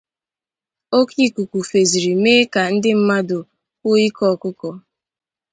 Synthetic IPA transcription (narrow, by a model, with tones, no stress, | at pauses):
o˦ki˦˨ku˨kʷu˨fe˨zi˨ɾi˨meː˦ka˨n̩˦dɪ˦m̩˦ma˦dʊ˨ | o˦i˦kɔ˦˨kʊ˦kɔ˨